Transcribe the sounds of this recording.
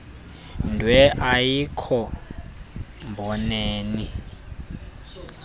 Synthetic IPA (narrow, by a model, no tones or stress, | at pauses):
ndʱwɛʔajikʰɔ | mbʱɔneːni